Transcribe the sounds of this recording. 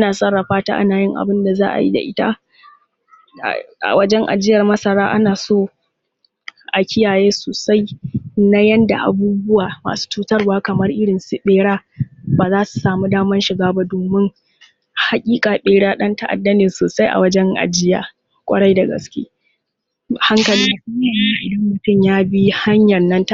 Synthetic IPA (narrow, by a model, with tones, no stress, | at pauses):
ʔa˦naː˨sʼɐ˦rːa˨ɸaː˦ta̰ː˦ʔa̰˦naː˨jɪ˦ŋʔa̰˨bɪ˦nda˨zaː˦ʔa̰˨jḭ˦da̰˨ʔɪ˦ta̰˦˨ | ʔa̰˨wɐ˦d͡ʒɛ˦ŋʔa̰˨d͡ʒɪ˦jɐ˨rmɐ˦sɐ˨ɾaː˦ʔa˦naː˨soː˦ | ʔa˨kʲɪ˦jaː˨jeː˦soː˨sa˦jna˦jɐ˦nda˨ʔa̰˨buː˦bʊ˦waː˨ma̰ː˨su̥˦t͡ʃuː˦tɐ˦rwaː˦kɐ˨mɐ˦rʔɪ˦ɽɪ˨nsu˦ɓeː˦ɽaː˦baː˨zaː˦su̥˨saː˨mu˦daː˦mɐ˦nʃɪ˨ɡaː˦ba˦doː˨mɪ˦ŋ | ha˨kʲʼiː˦kʼaː˨ɓeː˨ɽaː˦ɗɐ˦ntɐ˦ʔa̰˨dːɐ˦nɪ˨nsoː˨sa˦jʔa̰˨wɐ˦d͡ʒɛ˦ŋʔa̰˨d͡ʒɪ˦ja̰ː˨ | kʷʼɐ̰˦ɽɐ˦jdɐ˨ɡɐ̰˨skʲḛː˦˨ | ha˦ŋkɐ˨lɪ˦ŋ˦i˦aː˨jiː˦a˨ʔɪ̰˨dɐ˦mːʊ˨tʊ˦˨mjaː˦bi˦ha˦ɲjɐ˨rnɐ˦nta˦